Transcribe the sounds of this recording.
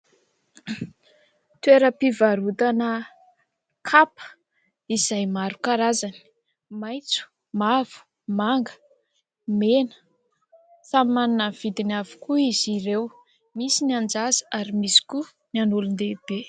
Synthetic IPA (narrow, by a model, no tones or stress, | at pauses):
t̪weɾəpivaɾut̪anə | kʰapə̥ | iz̥ajmaɾukaɾazani̥ | majt͡su̥ | mav̥u̥ | maŋɡə̥ | menə̥ | sammanunəv̥id̪inavu̥kuizirew | misiniand͡zazə̥aɾimisi̥ku | nanulund̪eb̥e